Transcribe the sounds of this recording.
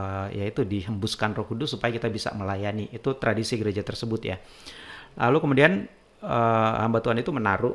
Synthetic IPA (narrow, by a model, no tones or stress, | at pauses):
jait̪udiɦəmbuskanrokudusupajakit̪abisa̰məlajaniʔːt̪ut̪ɾadisiɡəɾed͡ʒat̪ərsəbʊt̪ja̰ | la̰lukəmudian | əha̰mbat̪uanit̪umənaɾʊʔ